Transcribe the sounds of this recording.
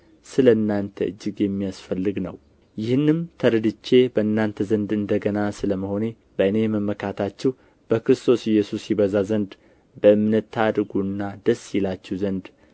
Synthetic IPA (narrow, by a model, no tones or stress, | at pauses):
sɨləɨnːant̪ʰə̰ʔɨ̰d͡ʒːɪɡjɛmːijasfəlːɨɡnə̰w | jɪhɨnːɨmt̪ʰəɾɨd̪ɨt͡ʃːe̞bəɨnːant̪ʰəzənd̪ɨnd̪əɡənasɨləməho̞ne̞ | bəɨne̞məmːəkʰat̪ʰat͡ʃːɛw | b̥əkɾɨst̪ʰo̞sɪjːɛsusjiβəzazənd̪ | bəɨmnət̪ʰːad̪ɡuɨnːad̪̥əsːjɛlat͡ʃːɛwzənd̪